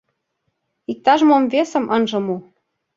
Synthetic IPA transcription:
ik̚t̪ɑʒmomvesə̆mʔɤnʒɤ̆mu

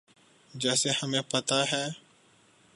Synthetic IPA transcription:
d͡ʒɛːsehəmẽːpət̪aɦɛː

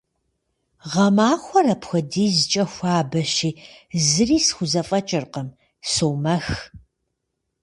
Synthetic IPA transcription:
ʁɐmaːxʷɔrɐpxʷɔdiːzɨt͡ʃʼɐxʷaːbɐɕiːzɨriːsxʷʊzɐfʼɐt͡ʃʼɪrqəm | sowmɐx

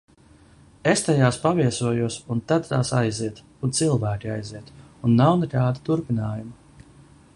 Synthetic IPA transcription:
est̪ajaːspaviɛsuɔjuɔsunt̪ad̪t̪aːsajziɛt̪ | unt̪silˠvæːkʲiajziɛt̪unːawnekaːd̪it̪uɾpinaːjuma

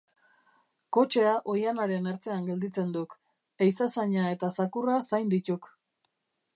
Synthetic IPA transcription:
ko̞t͡ʃe̞aʔo̞janaɾe̞neɾt͡se̞aŋɡe̞ld̪it͡se̞nd̪uk | ejsasaɲae̞t̪asakurasajnd̪it̪uk

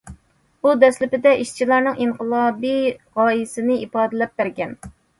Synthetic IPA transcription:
ud̪ɛslɪpɪd̪ɛʔiʃt͡ʃʰilˠɑɾnɨŋiŋqʰəlˠɑːbijʁɑːjɪsɪnɪipɑːd̪ɪlɛp̚bæɾɡʲɛn

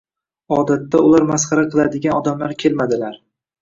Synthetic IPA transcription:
ɒd̪at̪ːaʊlaɾmasχɑɾaqʰɨlˠad̪ɪɡʲanɒd̪amlaɾkʲʰe̞lmad̪ɪlaɾ

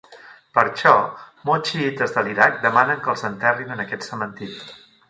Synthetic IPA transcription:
pəɾʃɔmot͡ʃiit̪əzðəliɾak̚d̪əmanəŋkəlˠzənt̪ɛrinənəkɛt̪səmənt̪iɾi

